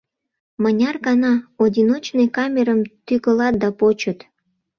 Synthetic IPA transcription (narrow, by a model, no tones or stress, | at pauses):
mənʲɑrɣɑnɑod̪ʲinot͡ɕnejkɑmʲeɾəmt̪yɣəlɑt̪̚d̪ɑpot͡ɕət̪